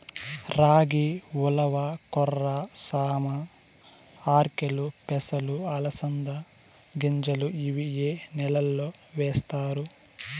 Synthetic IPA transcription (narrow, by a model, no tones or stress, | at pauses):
ɾaːɡiʋulɐʋɐkɔrːɐsaːmɐ | aːɾkelupɛsɐluɐlɐsɐnd̪ɐ | ɡiɲd͡ʒɐluiʋijeːnɛlɐlːoːʋeːst̪aːɾu